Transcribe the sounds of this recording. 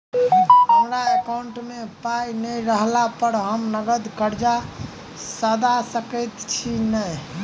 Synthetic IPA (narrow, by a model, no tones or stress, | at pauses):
ɦəmɾaekawɳʈmepajnəjɾəɦlapəɾɦəmnəɡəd̪kəɾd͡ʒa | səd̪asəkəjt̪t͡ʃʰinəj